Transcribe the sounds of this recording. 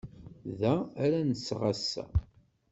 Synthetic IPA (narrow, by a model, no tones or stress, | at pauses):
ðæːɾænəsːʁasæ̰